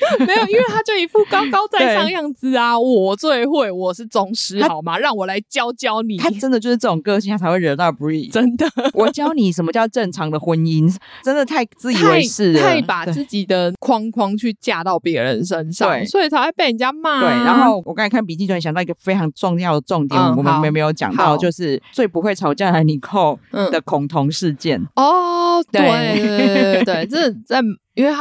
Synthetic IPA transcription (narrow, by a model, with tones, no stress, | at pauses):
me˧˥jo˨˩ʊi˥nwe˥˧t̪ʰa˥t͡ɕjo˥˩ʊi˨˩fu˥˩kɑ˥ʊkɑ˥ʊt͡sa˥˧ɪe˥˩ɑ˥˧ŋjɑ˥˧ŋt͡sɹ̩˦a˧wɔ˨˩t͡swe˥˩ɪxwe˥˩ɪwɔ˨˩ʂɻ̩˥˩t͡sʊ˨˩ŋʂɻ̩˧˥a˥ɑ˨˩ʊma˨ɻɑ˥˩ŋwɔ˨˩la˧˦ɪt͡ɕjɑ˦˥ʊt͡ɕjɑ˦ʊni˨t̪ʰa˥ʈ͡ʂə˥nd̪ə˨t͡ɕjo˥˧ʊʂɻ̩˥˧ʈ͡ʂə˥˩o˨˩ŋkɤ˥˧t͡ɕʰi˥˩a˥˩t͡sʰa˧ɪwe˥˩ɪɻə˧˦nɑ˥˩pu˧˥i˨˩ə˦nd̪ə˨˩wɔ˨˩t͡ɕjɑ˥˧ʊni˨˩ʂə˨˩mə˦t͡ɕjɑ˥˧ʊʈ͡ʂə˥˩ŋʈ͡ʂʰɑ˨˧˥ŋd̪ə˨xwə˧˥ni˦˥nʈ͡ʂə˦˥nd̪ə˨t̪ʰa˥˧ɪt͡sɹ̩˥˩i˨˩we˧˩ɪ˥ʂɻ̩ʰ˥˩a˥˩ɪpa˨˩t͡sɹ̩˥˩t͡ɕi˨˩d̪ə˩kʰwɑ˦ŋkʰwɑ˥ŋt͡ɕʰy˥˧t͡ɕja˥˧t̪ɑ˥˩ʊpjɛ˧˦˥ɻə˧˦nʂə˦nʂɑwe˥˩ɪswɔ˧˥i˨˩a˧˥wa˥ɪpe˥˩ə˨˩nt͡ɕja˥ma˥˧t̪we˥˩ɪɻa˧˦nxo˥˩ʊwkɑ˥ŋ˥˨˩kʰa˥˩npi˨˩t͡ɕi˥˩˧wɕŋd̪ɑ˥˩ʊi˥ɡə˩fe˥ɪʈ͡ʂʰɑ˧˥ŋʈ͡ʂʊ˥˧ŋjɑ˥˩ʊd̪ə˩ʈ͡ʂʊ˥˨ŋt̪jɛ˨˦˧wɔ˨˩mə̃˨˦˧e˧˥˨me˧˥ɪjo˧˥ʊt͡ɕjɑ̰˨˩ŋt̪ɑ˥˧ʊt͡ɕjo˥˧ʊʂɻ̩˥˧˩t͡swe˥˩ɪpu˧˥xwe˥˩ɪʈ͡ʂʰɑ˧˥ʊt͡ɕjɑ˥˩la˧˦ɪni˨˩kʰo˥˩ʊ˥˩d̪ə˩kʰʊ˨˩ŋt̪ʰʊ˧˥ŋʂɻ̩˥˧t͡ɕjɛ˥˩nɔ˩t̪we˥˧e˥˩ | we˥˩ɪt͡sə˥˩˨t͡sa˥˩ɪi˥nwe˥˩ɪ